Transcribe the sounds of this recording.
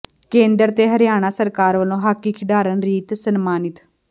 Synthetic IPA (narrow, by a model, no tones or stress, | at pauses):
kẽːnd̪əɾt̪eːɦəɾɪjaːɽ̃aːsəɾkaːɾʋəlõːɦaːkːiːkʰɪɖaːɾənɾiːt̪sənmaːnɪt̪